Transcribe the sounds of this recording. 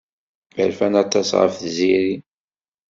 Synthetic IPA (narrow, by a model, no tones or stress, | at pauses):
bæ̰lfænɑt̪ˤːɑsʁə̰fθziɾi